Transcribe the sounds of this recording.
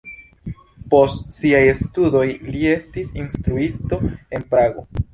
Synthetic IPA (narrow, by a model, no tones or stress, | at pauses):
po̞stsiajestudo̞jlie̞stisinstɾuisto̞e̞npɾaɡo̞̰